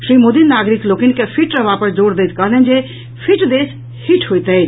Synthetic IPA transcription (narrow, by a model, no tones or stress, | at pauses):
ʃɾimod̪innːaɡɾiklokinkepʰiʈɾəbapəɾd͡ʒoɾd̪ejt̪kəɦlɛnd͡ʒe | pʰiʈd̪es | hiʈʰɦojt̪ət͡ʃ